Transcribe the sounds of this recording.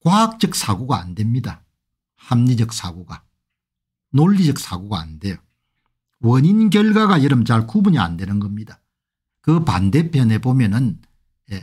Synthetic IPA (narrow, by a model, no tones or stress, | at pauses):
kwaɦak̚t͡ɕ͈ʌk̚sʰaɡoɡaːnde̞mɲida | hamɲid͡ʑʌk̚sʰaɡoɡa | noɭːid͡ʑʌk̚s͈ʰaɡoɡaːnde̞jo | wʌɲinɡjʌɭɡwaɡajʌɾɯmt͡ɕaɭkubuɲia̰nde̞nɯnɡʌmɲida | kɯpa̰nde̞pʰjʌne̞bomjʌnɯn | je